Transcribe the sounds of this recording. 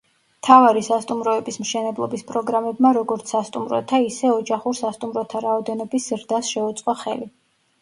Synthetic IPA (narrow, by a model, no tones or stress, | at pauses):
mt̪ʰavaɾisast̪ʼumɾɔɛbismʃɛnɛblˠɔbispʼɾɔɡɾamɛbmaɾɔɡɔɾt̪sʰast̪ʼumɾɔ̰t̪ʰaisɛɔd͡ʒaχuɾsast̪ʼumɾɔt̪ʰaɾaɔd̪ɛnɔbiszɾd̪asʃɛut̪sʼqʼɔχɛ̰li